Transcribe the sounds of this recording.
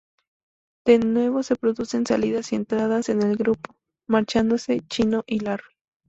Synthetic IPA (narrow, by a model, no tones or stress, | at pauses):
d̪̥e̞nwe̞βo̞se̞pɾo̞ðuse̞nsaliðasie̞nt̪ɾaðase̞ne̞lɡɾupo̥ | maɾt͡ʃand̪o̞se̞t͡ʃino̞ʔilaɾ